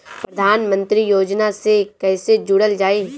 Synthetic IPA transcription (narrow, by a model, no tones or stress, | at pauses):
pɾɐd̪ʱaːnmə̃nt̪ɾijoːd͡ʒnasekɛːsed͡ʒuɽəld͡ʒaːe